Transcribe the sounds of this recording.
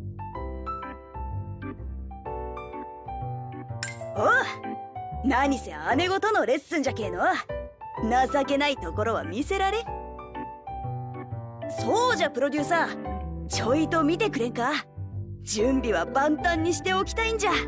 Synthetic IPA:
o | naɲ̟ise̞̰ane̞ɡo̞t̪o̞no̞ɾe̞sɨ̃ɲ̟d͡ʑake̞ːno̞ | nasake̞nait̪o̞ko̞ɾo̞βa̰mʲise̞ɾaɾe̞ | so̞ːd͡ʑapɯ̟ɾo̞d̪ʲɨːsaːt͡ɕo̞id̪o̞mʲit̪e̞kɯ̟ɾẽ̞ŋka | d͡ʑɨ̃mbʲiβabãnt̪ãɲ̟ːiɕi̥t̪e̞o̞kʲi̥t̪aĩɲ̟d͡ʑa

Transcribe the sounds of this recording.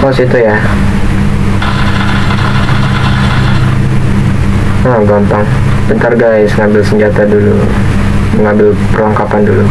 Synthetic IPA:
kasit̪uja | aɡampaŋ | bənt̪arɡaɪsŋambɪlsəɲd͡ʒat̪adulu | məŋambɪlpərlaŋkapandulu

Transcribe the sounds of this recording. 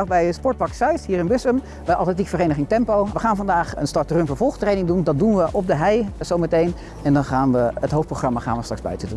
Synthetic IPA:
χbɛjəspɔɹt̚pɑksœɥsɦiːrɪnbʏsəm | ʋəʔɑ̰lˠtɛnt̬ikfərejnəχɪŋtɛmpowʋəχaːnvɑndaːχə̰nstɑɹtrømvəɹvɔlˠχtrejnɪŋdundɑt̚dunʋəʔɔb̚dəɦɛjzowmətejn | ɛndɑnχaːnʋəətɦowftproχrɑmaχa̰ːnʋəstrɑkzbœ̰ɥtəətə

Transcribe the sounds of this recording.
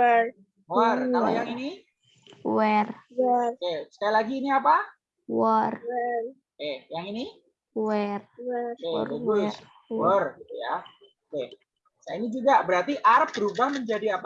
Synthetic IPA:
wərajaŋini | wərwərkesə̥kajalaɡiːniapa | wərr | kejaŋini | wərḛrəɡʊsr | wərɡit̪uja | oke | sainid͡ʒuɡabəɾart̪iʔaɾəp̚b̥əɾubahməɲd͡ʒadiapa

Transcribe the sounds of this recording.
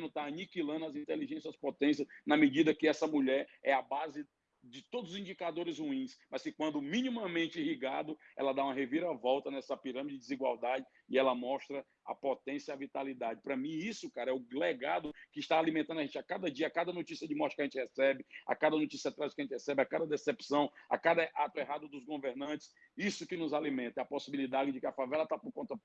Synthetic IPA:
nʊt̪aːnikilɐ̃nd̪ʊɐzĩt̪eliʒẽsiɐspot̪ẽsjɐsnɐmɪd͡ʒid̪ɐkɪɛsɐmuʎɛɾɛabazɪ | d͡ʒɪt̪od̪ʊzʊzĩd͡ʒikad̪oɾɪzhuĩsmɐskɪkwɐ̃nd̪ʊmĩnĩmɐmẽnt͡ʃɪihiɡad̪ʊɛ̰lɐd̪aũɐɦeviɾɐvɔwt̪ɐnɛsɐpiɾɐ̃mid͡ʒɪɪd͡ʒɪziɡwawd̪ad͡ʒɪ | ɪɛlɐmɔʃt̪ɾɐ | ɐ̰pot̪ẽsjɐavit̪alid̪ad͡ʒɪpɾɐmĩisʊkaɾɐɛʊlɛɡad̪ʊkɪːʃt̪aːlimẽnt̪ɐ̃d̪ʊaʒẽt͡ʃɪakad̪ɐd͡ʒiɐakad̪ɐnot͡ʃisiɐd͡ʒɪmɔʃɐkaʒẽt͡ʃɪhɛsɛbɪa̰kad̪ɐnot͡ʃisiɐt̪ɾazd͡ʒɪkaɐẽt͡ʃɪhɛsɛbɪakad̪ɐd̪esepsɐ̃w̃a̰kad̪ɐʔat̪ʊɛɦad̪ʊd̪ʊzɡoveɾnɐ̃nt͡ʃɪ̥s | isʊkɪnʊzalimẽnt̪ɛɐposibilid̪ad͡ʒɪd͡ʒɪkɪɐfavɛlɐt̪apʊɾkõt̪ɐ

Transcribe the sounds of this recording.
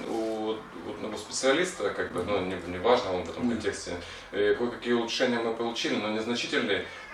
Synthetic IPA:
uot̪ | o̰t̪nɐosʲpʲɪt̪sɨɐlʲist̪əkaɡ̚bɨnunʲɪnʲɪvaʐnəonvɛt̪ə̰mkɐnʲtʲe̞ksʲtʲɪ̰ | jɐkojkɐkʲijəʊlˠʊʂɛnʲɪjəmɨpəlˠʊt͡ɕilʲɪnonʲɪznɐt͡ɕitʲɪlʲnɨj

